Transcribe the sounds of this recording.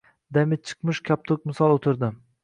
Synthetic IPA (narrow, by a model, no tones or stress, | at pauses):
d̪amɪt͡ʃʰɨ̥qmɨʃkʲʰap̚t̪ʰok̚ʲmɪsɒlˠot̪ʰɪɾd̪ɪ